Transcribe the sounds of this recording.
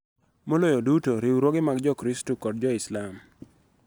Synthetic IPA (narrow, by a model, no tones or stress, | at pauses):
molojodutoɾiwɾwɔɡɪmaɡd͡ʒɔkɾistukɔd̚d͡ʒɔɪslam